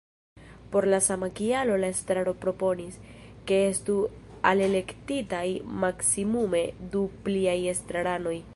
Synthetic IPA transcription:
po̞ɾlasamakialo̞lae̞stɾaɾo̞pɾo̞po̞nis | ke̞e̞stu | ale̞le̞ktitajmaksimume̞dupliaje̞stɾaɾano̞j

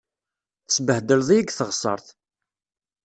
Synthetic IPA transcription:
θəsbəhd̪əlðˤijəɡθəʁsˤɑ̰ɾˤθ

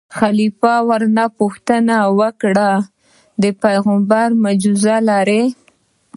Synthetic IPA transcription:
xalifɑwaɾnapuxt̪ənawəkɽa | d̪əpajɣambaɾmad͡ʒuzalaɾe

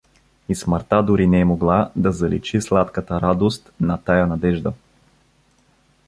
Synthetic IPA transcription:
isməɾt̪ad̪ʊɾinɛːmoɡlˠad̪ɐzɐlḭt͡ʃislˠat̪kət̪əɾad̪ost̪nɐt̪ajanɐd̪ɛʒd̪ə

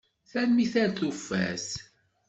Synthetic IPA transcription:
θænmiθæɾθufːæ̰s

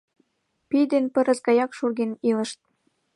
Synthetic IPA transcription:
pid̪enpə̆ɾə̆sɡɑjɑkʃurɣenilə̆ʃt̪̚

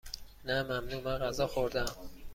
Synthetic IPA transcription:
næmæmnuːmæɢæzɒːxoɾd̪æm

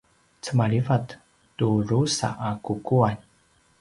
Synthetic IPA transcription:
t͡səmaɭivat | turusa̰ʔakukuan

